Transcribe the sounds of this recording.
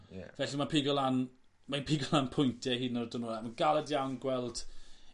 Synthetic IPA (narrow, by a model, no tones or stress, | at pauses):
vɛɬimapʰiɡɔlˠan | mapʰiɡɔlˠanpʰʊjntʰjɛɦinɔrdənɔlamanɡalˠɛdjawnɡwɛlˠd̥